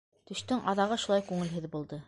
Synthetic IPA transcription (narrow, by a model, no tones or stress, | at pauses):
t̪ɵ̆ɕt̪ɵŋʔɑðɑʁɤʃulˠɑjkʉŋɘ̆lɦɘ̆ðbulˠd̪ɤ